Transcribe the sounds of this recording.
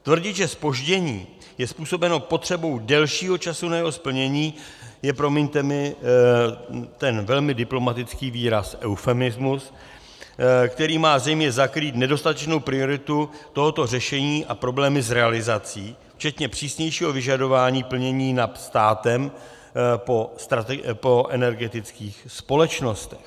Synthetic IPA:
t̪vr̩ɟɪt̪ʒɛspo̞ʒɟɛɲḭː | jɛspuːso̞bɛno̞po̞t̪r̥ɛbo̞wdɛlʃiːɦo̞t͡ʃasunajɛɦo̞spl̩ɲɛɲiːjɛpɾo̞mɛɲt̪ɛmɪ | t̪ɛnvɛlmɪdɪplo̞mat̪ɪt͡skiːviːɾasʔɛwfɛmɪzmus | kt̪ɛɾiːmaːzɛjmɲɛzakɾiːt̪nɛdo̞st̪at̪ɛt͡ʃnowpɾɪo̞ɾɪt̪ut̪o̞ɦo̞t̪o̞r̝ɛʃɛɲiːʔapɾo̞blɛːmɪzɾɛalɪzat͡siː | ft͡ʃɛt̪ɲɛpr̝̥iːsɲɛjʃiːɦo̞vɪʒado̞vaːɲiːpl̩ɲɛɲiːnat̪st̪aːt̪ɛm | po̞st̪ɾat̪ɛpo̞ʔɛnɛɾɡɛt̪ɪt͡skiːxspo̞lɛt͡ʃno̞st̪ɛ̥x

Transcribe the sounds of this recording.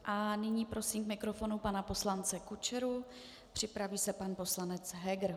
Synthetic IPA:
ʔanɪɲiːpɾo̞siːmkmɪkɾo̞fo̞nupanapo̞slant͡sɛkut͡ʃɛɾu | pr̝̥ɪpɾaviːsɛpanpo̞slanɛt͡sɦɛɡɾ

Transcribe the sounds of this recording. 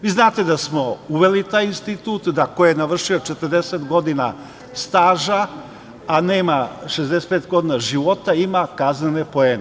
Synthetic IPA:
ʋiːznaːt̪e̞d̪asmo̞uʋe̞lit̪aːjinst̪it̪uːt̪d̪akojenaʋr̩ʃiot͡ʃet̪ər̩d̪eset̪ɡo̞d̪ina̰ | st̪aːʒaː | neːmaʃezd̪ese̥t̪pet̪ɡo̞d̪iːnaʒiʋo̞t̪aimakaznenepo̞eːne

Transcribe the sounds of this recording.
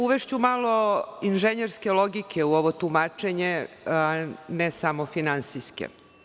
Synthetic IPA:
uʋeʃt͡ɕumaːlˠo̞inʒeɲeɾskelo̞ɡikʰeuoʋo̞t̪umaːt͡ʃe̞ɲe | anesamo̞finansiskḛ

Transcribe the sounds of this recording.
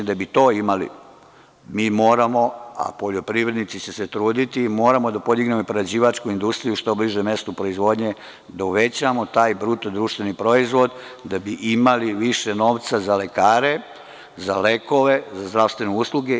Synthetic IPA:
d̪abit̪o̞ːimalḭ | miːmo̞ːɾamo̞a̰po̞ʎo̞pɾiʋɾe̞d̪nit̪sit͡ɕeset̪ɾuːd̪it̪iːmo̞ːɾamo̞d̪apo̞d̪iɡne̞mopɾoad͡ʑiːʋat͡ʃkuind̪ust̪ɾijuʃt̪o̞bliʒeme̞st̪upɾo̞izʋo̞ːd̪ɲe | d̪auʋe̞t͡ɕamo̞t̪aːjbɾut̪od̪ɾuʃt̪ʋe̞nipɾo̞izʋo̞d̪ | d̪abiʔimaliʋiʃeno̞ːʋt̪sazale̞kaːɾe̞ | za̰le̞ko̞ʋe̞zazd̪ɾaʋst̪ʋe̞neuslˠuɡe

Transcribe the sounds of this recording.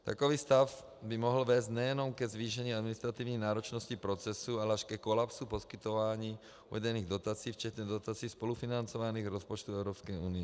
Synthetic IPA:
t̪a̰kɔʋiːst̪af | bimɔɦl̩ʋɛːzɟɲɛjɛnɔmkɛzʋiːʃɛɲiːad̪minist̪ɾat̪iːʊɲɛjnaːɾɔt͡ʃnɔscipɾɔt͡sɛsualɛaʃkɛkɔlapsupɔskit̪ɔʋaːɲiː | uʋɛɟɛniːɣd̪ɔt̪aːt͡siːft͡ʃɛt̪ɲɛd̪ɔt̪aːt͡siːspɔlufinant͡sɔʋaniːɣɾɔspɔt͡ʃt̪uɛʊɾɔːpskɛjṵːniɛ

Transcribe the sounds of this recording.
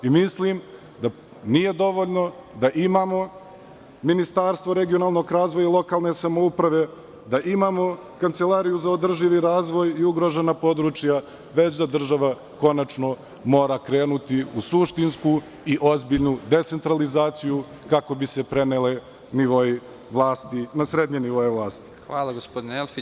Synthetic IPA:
imislim | d̪a | nije̞d̪o̞ʋo̞ʎno̞d̪aʔimaːmo̞ | minist̪aːɾst̪ʋoɾe̞ɡijo̞naːlˠno̞ɡɾaːzʋojalˠo̞kaːlˠne̞samo̞upɾaʋe̞ | d̪aʔimaːmo̞ | kant̪se̞laɾijuzaod̪r̩ʒiʋiɾaːzʋo̞jiuɡɾo̞ʒenapo̞d̪ɾut͡ʃja | ʋe̞t͡ɕd̪ad̪r̩ʒaʋa | ko̞nat͡ʃno̞ | mo̞ːɾakɾe̞ːnut̪iusuʃt̪insku | iʔo̞zbiʎnud̪e̞t̪se̞nt̪ɾalizaːt̪siju | kako̞bise̞pɾe̞nele | niʋo̞i | ʋlˠaːst̪inasɾe̞d̪ɲeniʋojeʋlˠaːst̪i̥xʋaːlˠaɡospod̪ineelfi

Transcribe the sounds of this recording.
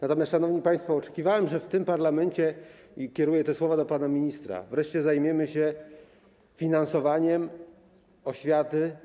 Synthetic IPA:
nat̪ɔmʲjast̪ʂanɔvɲipaj̃st̪fɔːt͡ʂɛ̥kʲivawɛmʐɛft̪ɘmpaɾlamɛnt͡ɕɛ | kʲɛɾujɛt̪ɛswɔvad̪ɔpanamʲiɲist̪ɾa̰vɾɛʂt͡ɕɛzajmʲjɛmɘɕɛ | fʲinansɔvaɲɛm | ɔɕfʲjat̪ɘ

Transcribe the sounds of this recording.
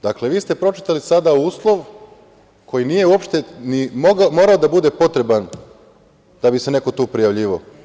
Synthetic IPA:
d̪akle̞ʋiːst̪e̞pɾo̞t͡ʃi̥t̪alisad̪auːslˠo̞ʋ | kʰo̞jinije̞uo̞pʃt̪e̞nimoɡmo̞ɾaod̪abud̪e̞po̞t̪ɾe̞ban | d̪abise̞ne̞ko̞t̪uːpɾijaʋʎiːʋao

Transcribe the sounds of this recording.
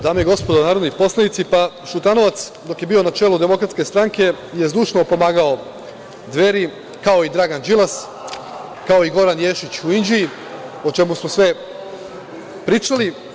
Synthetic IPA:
d̪aːmejiɡo̞spod̪onaːɾod̪nipo̞slanit̪sipa | ʃut̪ano̞ʋat̪s | d̪o̞kje̞biːo̞nat͡ʃe̞lud̪e̞mo̞kɾat̪ske̞st̪ɾaŋke̞ | je̞zd̪uːʃnopo̞maːɡao̞ | d̪ʋe̞ɾi | kao̞id̪ɾaːɡand͡ʒilˠas | kao̞iɡo̞ɾanjeːʃit͡ɕuind͡ʑii | ot͡ʃe̞musmosʋe | pɾiːt͡ʃali

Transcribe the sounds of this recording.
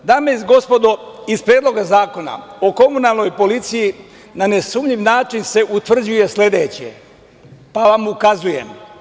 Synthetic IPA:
d̪aːmeizɡo̞spo̞d̪oispɾjeːd̪lˠo̞ɡazaːko̞na̰oko̞munalˠno̞jpo̞lit̪siji | nanesuːmʎiʋnaːt͡ʃinse̞ʔut̪ʋr̩d͡ʑuje̞sle̞d̪e̞ːt͡ɕḛ | paʋamukazujḛm

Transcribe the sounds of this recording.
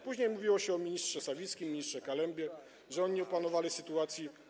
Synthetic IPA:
puʑɲejmuvʲiwɔɕɛɔmʲiɲistʂɛsavʲiskʲimʲːiɲist̪ʂɛkalɛmbʲjɛ | ʐɛɔɲiɔpanɔvalʲisɘt̪uat̪sʲji

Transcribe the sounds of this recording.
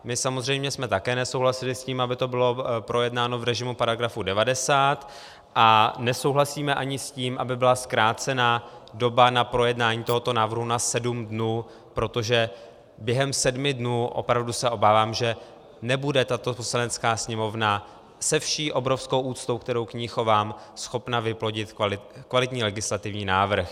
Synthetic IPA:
mɪsamozr̝ɛjmɲɛsmɛt̪akɛːnɛsowɦlasɪlɪsciːmabɪt̪o̞bɪlo̞pɾo̞jɛdnaːno̞vɾɛʒɪmupaɾaɡɾafudɛvadɛsaːt̪ | ʔanɛso̞wɦlasiːmɛʔaɲɪsciːmʔabɪbɪlaskɾaːt͡sɛnaːdo̞banapɾo̞jɛdnaːɲiːt̪o̞ɦot̪o̞naːvr̩ɦunasɛdumdnuː | pɾo̞t̪o̞ʒɛ | bjɛɦɛmsɛdmɪdnuːʔo̞̰pɾavdusɛʔo̞baːvaːmʒɛ | nɛbudɛt̪at̪o̞poslanɛt͡skaːsɲɛmo̞vna | sɛfʃiːʔo̞bɾo̞fsko̞wʔuːt͡st̪o̞wk̚t̪ɛɾo̞wkɲixo̞vaːm | sxo̞pnavɪplo̞ɟɪt̪kvalɪt̪ɲiːlɛɡɪslat̪ɪvɲiːnaːvr̩x

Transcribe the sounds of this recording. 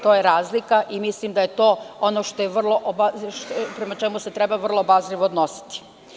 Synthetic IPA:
t̪o̞jeɾaːzlikaʔimislimd̪aje̞t̪o̞ːonoʃt̪o̞jeʋr̩lˠo̞ʔobapɾe̞mat͡ʃe̞muse̞t̪ɾe̞baʋrlˠobazliʋoːd̪no̞si̥t̪i̥

